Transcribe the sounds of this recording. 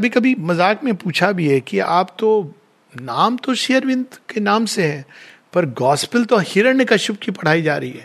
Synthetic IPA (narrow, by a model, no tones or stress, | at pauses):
ɐbʱikɐbʱimɐzaːkmẽpuːt͡ʃʰabʱiɦɛkiaːp̚t̪o | naːmt̪oʃijəɾʋɪ̃nd̪kenaːmseɦɛ̃ːpɐɾɡɔːspəlt̪ohɪɾənekɐʃʊb̚kipɐɽ̤aːid͡ʒaːɾɐɦiɦɛː